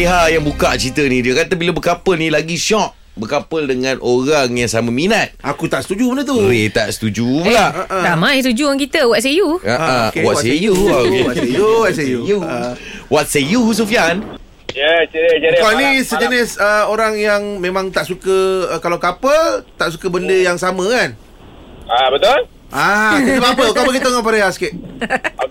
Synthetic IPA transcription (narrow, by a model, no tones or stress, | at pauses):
piɦajaŋbukaʔt͡ʃit̪ənĩdiəkat̪əbilabəkapəlnilaɡiʃɔʔ̚ | bəkapəldəŋãnʔoɾaŋjaŋsamaminat̪̚akut̪aʔsə̥t̪ud͡ʒumənət̪uet̪aʔsə̥t̪ud͡ʒulaʔʔəd̪amãjst̪ud͡ʒuaŋkit̪əwat̪̚s̬ejuaakwɔtsejuwasejuwat̪sejuu | wɔt̪̚sejus̬ufian | jɛid͡ʒakaanĩsəd͡ʒənɪsəoɾaŋjaŋmẽmãŋt̪aʔsukəkalawkapət̪aʔsukəbəndəjaŋsamə̃kan | abət̪ʊl | ʔakit̪əpap̬əkapək̬it̪əŋɔp̬aɾeaskɪt̪̚